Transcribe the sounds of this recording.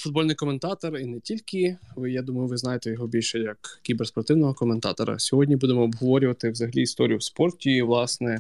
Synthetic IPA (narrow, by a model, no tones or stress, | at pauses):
fʊd̪̚bɔlʲnɪjkɔment̪ɑt̪ɔrinɛtʲilʲkɪʋɪjad̪umɐjʊʋɪznɑjet̪ɛjɔɦɔbʲilʲʃɛjɐkkʲiberspɔrt̪ɪwnɔɦɔkɔment̪ɑ̰t̪ɔɾɐ̰sʲɔɦɔdʲnʲibud̪emɔːbɦɔʋɔɾʲʊʋɐt̪ɪwzɐɦɐlʲiːst̪ɔɾʲijʊwspɔrtʲiʋlˠɑsnɛ